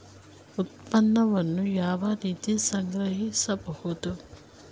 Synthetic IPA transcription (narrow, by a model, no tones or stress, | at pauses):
ut̪̚pɐnːɐʋɐnːujaːʋɐɾiːt̪isɐŋɡɾɐɦisɐbɐhud̪u